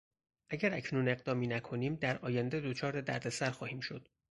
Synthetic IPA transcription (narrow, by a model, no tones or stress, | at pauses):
ʔæɟæɾæcʰnuːne̞ɣd̪ɒːmiːnækʰo̞niːmd̪æɾɒːjænd̪e̞d̪o̞t͡ʃʰɒːɾe̞d̪æ̰ɾd̪e̞sæɾxɒːhiːmʃo̞d̪̥